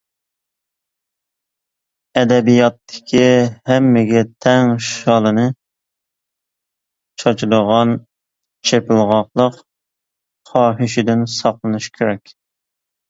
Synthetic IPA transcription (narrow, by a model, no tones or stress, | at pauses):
ɛd̪ɛbijɑt̪ʰːɪ̥kʲʰihɛmːɪɡʲɛt̪ʰɛŋʃɑlˠɨnɨ | t͡ʃʰɑt͡ʃʰuləʁɑn | t͡ʃʰepɪlˠʁɑqlˠəq | χɑːɦɪʃɪd̪ɪnsɑqlˠɨnɨʃkʲʰeɾɛkʲ